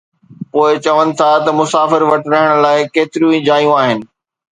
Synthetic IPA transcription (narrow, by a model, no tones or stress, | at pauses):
poːɪt͡ɕɐʋənɪ̆t̪ʰat̪ɐmʊsaːfɪɾʋɐʈɪɾɐɦəɽ̃̆laːɪkeːt̪ɪɾijũĩd͡ʑaːijũaːɦɪnɪ̆